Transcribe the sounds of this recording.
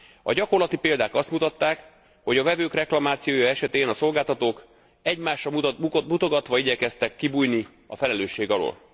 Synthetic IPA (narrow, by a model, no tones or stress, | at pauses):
ɒ̰ɟɒko̞rlɒt̪ipeːld̪aːkɒst̪mut̪ɒt̪ːaːk | ho̞ɟɒvɛvøːkrɛklɒmaːt̪sijoːjɒɛʃɛt̪eːnɒso̞lɡaːlt̪ɒt̪oːk | ɛɟmaːʃrɒmut̪o̞ɡɒt̪ʋɒiɟɛkɛst̪ɛkːibuːjni | ɒfɛlɛløːʃːeːɡɒlo̰ːl